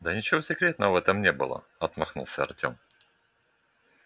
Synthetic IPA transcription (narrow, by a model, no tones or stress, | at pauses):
d̪ənʲɪt͡ɕɪvosʲɪkɾʲet̪nəvəvɛt̪əmnʲe̞bɨ̰lˠə̰ | ɐt̪mɐxnṵlˠsʲəɐ̰rtʲo̞̰m